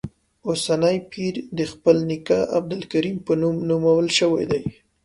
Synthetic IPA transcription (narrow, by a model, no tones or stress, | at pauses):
osanajpʰiɾd̪əxpəlnɪkaʔab̚d̪ʊlkaɾimpənumnumawəlʃəwa̰jd̪aj